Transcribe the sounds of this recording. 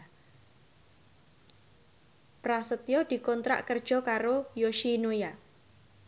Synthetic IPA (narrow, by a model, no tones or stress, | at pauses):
pɾasət̪ijɔd̪̥i̤kɔnt̪ɾa̰ʔkərd̥ʒ̥ɔ̤kaɾojoʃinoja